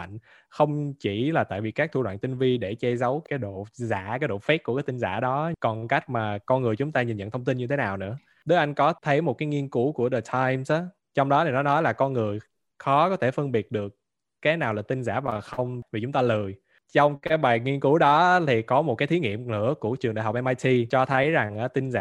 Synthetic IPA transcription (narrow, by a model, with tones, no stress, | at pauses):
a̰˧˨ŋ̟ | xə˧wŋ͡mt͡ɕi˧˩laː˨˩t̪a̰ː˧˨jvi˨˩kaː˦˥k̚t̪ʰu˧lwa̰ː˧˨nt̪i˧ŋvi˧ɗe˧˩t͡ɕɛ˧zə˨˦wkaː˨˦jɗo̰˧˨za̰ː˧˩˥kaː˨˦jɗo̰˧˨fɛ˦˥kkaː˨˦jt̪i˧ŋza̰ː˧˩ɗɔ˨˦kɔ˨˩nka˦˥k̟̚maː˨˩kɔ˧nŋɨ˨˩əjt͡ɕʊ˨˦ŋ͡mt̪aː˧ɲi˨˩nzə̰˧˨nt̪ʰwŋ͡mt̪i˧nɲɨ˧t̪ʰe˨˦naː˨˩wnɨ̰˧˥ə | ɗə˨˦ʔa˧jŋ̟kɔ˨˦t̪ʰə˨˦jmo˨˩t̚kaː˨˦jŋi˧ənku˧˦ku˧˩əɗəː˨˩t̪ʰaː˧jmsʔaː˨˦ | t͡ɕɔ˧wŋ͡mɗɔ˨˦ni˨˩nɔ˨˦nɔ˨˦jlaː˨˩kɔ˧nŋɨ˨˩əj | xɔ˨˦kɔ˨˦t̪ʰe˧˩fɨ˧ŋɓi˨˩ət̚ɗɨ˨˩ək̚ː | aː˨˦jnaː˨˩wlaː˨˩t̪ï˧ŋza̰ː˧˩vaː˨˩xə˧wŋ͡mvi˨˩t͡ɕʊ˨˦ŋ͡mt̪aː˧lɨː˨˩j | t͡ɕɔ˧wŋ͡mkaː˨˦jɓaː˨˩jŋi˧ənku˨˦ɗɔ˨˦t̪ʰi˨˩kɔ˨˦mo˨˩kaː˨˦jt̪ʰi˨˦ŋḭ˧˨əmnɨ̰˧˥əku˧˩ət͡ɕɨ˨˩ŋɗa̰˧˨jɦk͡pʔɛ˧mʔaː˧jt̪ʰi˧t͡ɕɔ˧t̪ʰə˨˦jza˨˩ŋʔaː˨˦t̪ï˧ŋ̟za̰ː˧˥